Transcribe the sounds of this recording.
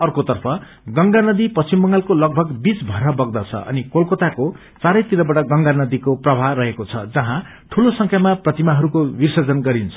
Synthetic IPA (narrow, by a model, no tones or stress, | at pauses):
ʌrkot̪ʌrpʰʌ | ɡʌŋɡanʌd̪ipʌst͡simbʌŋɡalkolʌɡ̚bʱʌɡbit͡sbʱʌɾʌbʌɡd̪ʌt͡sʰʌ̰ʔʌ̰nikolkot̪ako | t͡saɾʌjt̪iɾʌbʌʈʌɡʌŋɡanʌd̪ikoprʌbʱarʌɦekot͡sʰʌ̰d͡zʌɦã | ʈʰulosʌŋkʰjamaprʌt̪imaɦʌɾukowirsʌd͡zʌnɡʌɾint͡sʰʌ